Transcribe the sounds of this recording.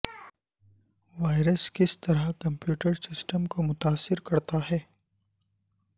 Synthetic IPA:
ʋaːɪɾəskɪst̪ɐɾakɐ̃mpjuːʈəɾsɪsʈəmkomʊt̪aːsːɪɾkɐɾt̪aɦɛː

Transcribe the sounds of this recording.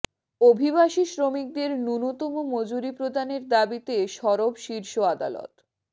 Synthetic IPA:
obʱibaʃiʃɾomik̚d̪eɾnunot̪omomod͡ʑuɾipɾod̪aneɾd̪abit̪eʃɔɾobʃiɾʃoad̪a̰lo̰t̪

